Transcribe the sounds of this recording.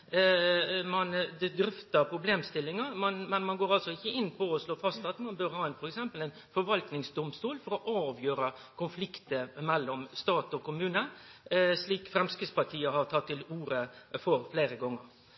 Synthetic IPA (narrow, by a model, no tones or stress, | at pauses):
mɑnd̪ɛd̪ɾʏft̪ɑpʰɾʊbleːmst̪ɪlːɪŋəɾmɑnmɛnmɑnɡoːɾɑlsɔɪçːəɪnːpʰɔɔsloːfɑst̪ɑt̪mɑnbøɾhɑːɛɪnfɔɾɛksɛmpəlæɪnfɔɾʋɑlt̪nɪŋsd̪ʊmst̪uːlfɔɾɔʔɑːʋjøːɾəkʰʊnflɪkt̪əmɛlːɔmst̪ɑːt̪ɔkʊmʉːnə | sliːkfɾɛmskɪspɑʈʰiːəhɑɾt̪ʰɑt̪ʰːɪluːɾəfɔɾfleːɾəɡɔŋːəɾ